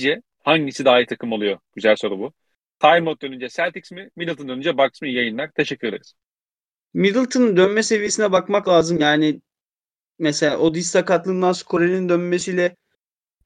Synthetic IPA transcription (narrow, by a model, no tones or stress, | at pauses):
d͡ʒɛ | haɲɟisid̪aːjit̪ʰakʰɯmolˠujo̞ɟ̥yzælʲso̞ɾubu | t̪ʰajmot̪̚d̪ønynd͡ʒɛsælʲt̪iksmimid̪ilˠt̪ʰɯnd̪ø̞nynd͡ʒɛbaksmɯjajɯnlaɾt̪ʰeʃɛcʰːyjeɾɯz̥ | mid̪ilʲˠt̪ʰɯnnd̪ønmɛse̞vije̞sinɛbakmaklˠaːzɯmjaːni | mɛselʲaːʔod̪ist̪ʰakat̪lˠɯnd̪anskʰo̞ɾelʲind̪ønme̞sijlʲɛ